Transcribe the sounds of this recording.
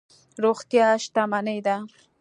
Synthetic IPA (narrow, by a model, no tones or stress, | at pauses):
ɾoxt̪jɑʃt̪amanəjd̪a